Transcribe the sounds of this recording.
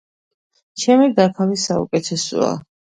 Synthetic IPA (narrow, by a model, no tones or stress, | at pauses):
t͡ʃʰɛmid̪akʰavisaṵkʼɛt̪ʰɛsɔ̰a̰